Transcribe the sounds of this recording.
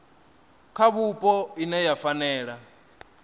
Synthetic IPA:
kʰaβupʼɔinɛjafanɛːɺa

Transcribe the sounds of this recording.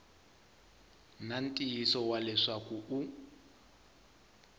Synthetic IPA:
nan̩tʼiisɔwalɛʂakʼuu

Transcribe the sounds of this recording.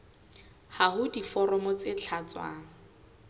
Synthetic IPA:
haɦʊdifɔɾɔmɔt͡set͡ɬʰat͡swa̰ːŋ̩

